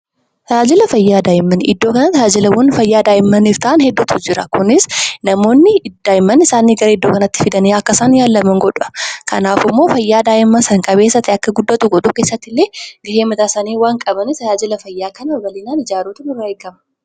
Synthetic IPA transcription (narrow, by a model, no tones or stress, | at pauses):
t̪ɐaːd͡ʒɪlɐfɐjːaːd̪aːɪmːɐnɪd̪ːo̞ːkɐnɐt̪ɐaːd͡ʒɪlɐwɐnfɐjːaːd̪aːjɪmːɐnift̪ɐʔanhɛd̪ːuːt̪ʰʊd͡ʒɪɾɐ̰kʊnɪsnɐmo̞ːnːɪd̪̥aːjɪmːɐnɪsaːniːɡɐɾɐɪd̪ːoːkɐnɐt̪ːɪfɪd̪ɐneːɐkːɐsaːnjaːlːɐmɐŋɡɔᶑɐ̥kɐ̰naːfɪmːo̞ːfɐjːaːd̪aːʔɪmːɐsɐŋkʼɐbeːsːɐt̪ɛɐkːɐɡʊd̪ːɐt̪ʊɡɔᶑuːke̞ːsːɐt̪ːɪlːe̞ːɡɐheːmɐt̪aːsɐniːwaːŋkʼɐbɐnɪst̪ɐaːd͡ʒɪlɐfɐjːaːkɐnɐwɐlɪnaːnɪd͡ʒaːɾoːt̪ɐnɪrːɐkːɐmɐ̥